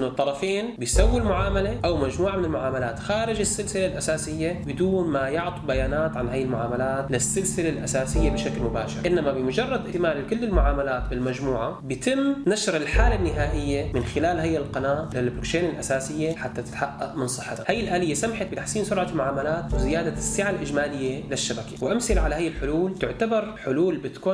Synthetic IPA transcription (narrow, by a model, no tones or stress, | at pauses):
nːʊt̪ˤːɑɾˤɑfeːnbɪjsawːilmʊʕaːmaleʔawmad͡ʒmuːʕamɪnɪlmʊʕaːmalaːt̪xaːɾɪd͡ʒɪsːɪlsɪlalʔasaːsɪjːabɪd̪uːnmajʊʕt̪ˤubajaːnaːt̪ʕanhaːjːɪlmʊʕaːmalaːt̪lɪsːɪlsɪlalʔasaːsɪjːabɪʃaklmʊbaːʃɪ̰ɾʔɪnːamabɪmʊd͡ʒɑrˤːɑd̪ʔɪt̪ɪmaːlikʊlːɪlmʊʕaːmalaːt̪bɪlmad͡ʒmuːʕabjɪt̪ɪmːnaʃɾɪlħaːlanːɪɦaːʔɪjːamɪnxɪlaːlhajːɪlqɑnaːʔlɪlbɾokt͡ʃeːnɪlʔasaːsɪjːaħat̪ːat̪ɪ̥t̪ħaʔːa̰ʔmɪnsˤɨħːat̪ahajːɪlʔaːlɪjːasamaħat̪̚bɪt̪aħsiːnsʊɾʕalmʊʕaːmalaːt̪wɪzɪjaːd̪asːɪʕalʔɪd͡ʒmaːlɪjːalɪʃːabakḁwʔamsɪlʕalahajɪlħʊluːlt̪ɪʕt̪abɑɾˤħʊluːlbɪt̪kuː